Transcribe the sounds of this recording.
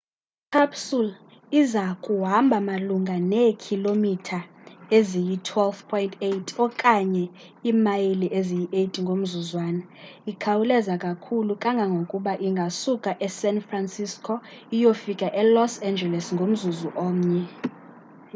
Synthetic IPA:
kʰapsul | izakʼuɦambʱamaluŋɡʱanɛkʰilomitʰaezijitʰwɛlfpʰɔjintʰetʼʰɔkʼaɲɛ | imajiliʔezijiʔetʼiŋɡʱom̩zuzwaːna | ikʰawulɛzakʼakʰulukʼaŋɡʱaŋɡʱokʼuɓaʔiŋɡʱasukʼaʔɛsɛnfransiskʰʼɔijofikʼaʔɛlɔsɛnd͡ʒɛlɛsŋɡʱom̩zuzuʔoːm̩ɲɛ

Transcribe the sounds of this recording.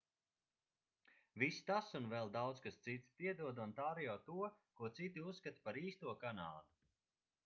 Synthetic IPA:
vist̪asunvɛlˠd̪awt̪skast̪sit̪sp̪iɛd̪uɔd̪unt̪aːɾjaːt̪uɔkuɔt̪sit̪iusːkat̪paɾiːst̪uɔkanaːd̪u

